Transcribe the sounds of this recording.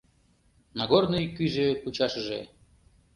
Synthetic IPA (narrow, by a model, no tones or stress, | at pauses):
nɑɡornɨjkyʒekut͡ɕɑʃəʒe